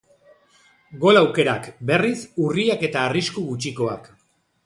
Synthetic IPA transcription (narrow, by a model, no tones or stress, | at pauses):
ɡo̞lawke̞ɾakbe̞risuriake̞t̪aːriskuɣut͡ʃikoak